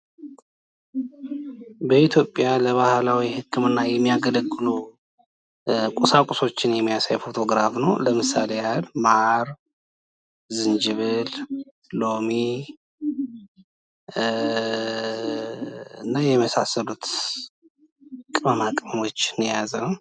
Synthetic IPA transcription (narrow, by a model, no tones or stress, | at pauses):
bəit̪ʰjo̞pʼːjaləβahlawihɨkːɨmɨnːajɛmːijaɡələɡːɨlu | kʼusakʼʊso̞t͡ʃːɪnjɛmːijasajfo̞t̪ʰo̞ɡɾafnəwləmɨsalejalmaʔaɾ | zɨnd͡ʒɨβɨl | lo̞mi | ɨnːajɛməsasəlut̪ | kʼɨməmakʼmo̞t͡ʃːɨnjazənw